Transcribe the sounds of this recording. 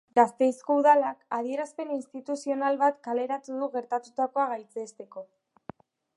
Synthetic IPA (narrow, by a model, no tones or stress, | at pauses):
ɡast̪e̞jsko̞uðalakaðie̞ɾaspe̞ninst̪it̪usio̞nalβat̪kale̞ɾat̪uðuɣe̞ɾt̪at̪ut̪ako̞aɣajt͡sest̪e̞ko̞